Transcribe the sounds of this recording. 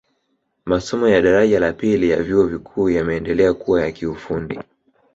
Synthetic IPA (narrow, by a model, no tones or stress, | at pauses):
masɔmɔjaɗaɾaʄalapilijavjuɔvikʰuːjamɛːndɛlɛakuwajakiufundi